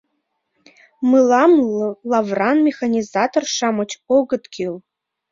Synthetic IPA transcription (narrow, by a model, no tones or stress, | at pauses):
mɨlˠamllavranmʲexanʲizat̪ʰorʂamɨt͡ʃʰoɡɨt̪kʰʲil